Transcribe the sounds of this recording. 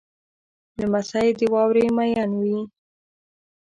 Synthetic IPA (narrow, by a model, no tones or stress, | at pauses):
ləmasajed̪əwɑwɾemajɑnwi